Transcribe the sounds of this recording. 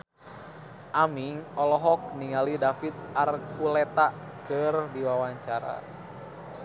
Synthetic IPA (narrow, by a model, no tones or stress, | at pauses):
ʔamiŋɔlɔɦɔk̚niŋalidafit̪̚arkulɛt̪akɨrdiwawaɲt͡ʃaɾa̰